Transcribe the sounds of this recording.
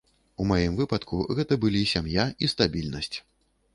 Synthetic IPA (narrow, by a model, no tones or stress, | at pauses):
umajimvɨpɐt̪kʰuɣɛt̪ɐbɨlʲisʲamjaist̪abʲilʲnɐsʲt͡sʲ